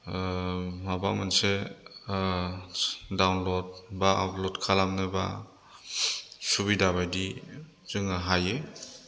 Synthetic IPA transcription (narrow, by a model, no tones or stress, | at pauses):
mabamanse | dawnlod̚baʔaplodkʰalamnɯba̰ | subidaβajdi | zɯŋaɦaje